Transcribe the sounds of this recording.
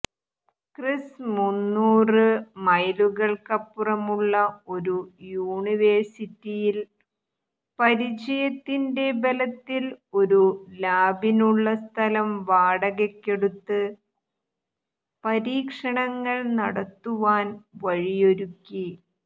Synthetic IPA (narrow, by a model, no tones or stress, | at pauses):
krismunːuːrɨmɐjluɣɐɭkɐpːurɐmuɭːɐo̞ɾujuːɳiʋersitːijil | pɐɾit͡ɕɐjɐt̪ːinde̞belɐt̪ːilo̞ɾulaːbinuɭːɐst̪ʰɐlɐmʋaːɽɐɣekːe̞ɽut̪ːɨ | pɐɾiːkʂɐɳɐŋːɐɭnɐɽɐt̪ːuʋaːnʋɐɻijo̞ɾukʲːi